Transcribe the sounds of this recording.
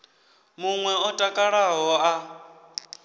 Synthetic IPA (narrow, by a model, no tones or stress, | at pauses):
muŋwɛɔtʼakʼaɺaɦɔa